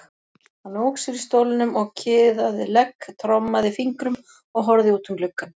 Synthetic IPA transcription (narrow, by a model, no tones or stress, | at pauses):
hanːoːwksɛɾist̪owlɪnʏmɔɣcʰɪːðaðɪlɛkːt̪ʰɾɔmːaðɪfiŋkɾʏm | ɔɣɦɔɾðɪuːt̪ʏmlʏkːan